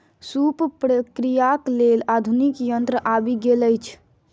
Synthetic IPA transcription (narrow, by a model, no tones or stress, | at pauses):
suppɾəkɾijaklelad̪ʱunikjənt̪ɾəʔabiɡeləjt͡ʃʰ